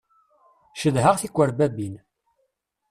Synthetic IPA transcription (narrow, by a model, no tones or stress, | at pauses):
ʃəðɦəʁθikʷːəɾbæbin